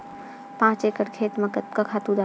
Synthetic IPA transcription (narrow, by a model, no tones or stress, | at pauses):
pãːt͡ʃekəɾkʰeːt̪mekakʰaːt̪ũd̪a